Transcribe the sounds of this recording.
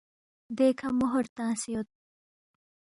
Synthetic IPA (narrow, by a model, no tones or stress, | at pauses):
d̪eːkʰɐmʊɦoɾt̪ãːsijot̪̚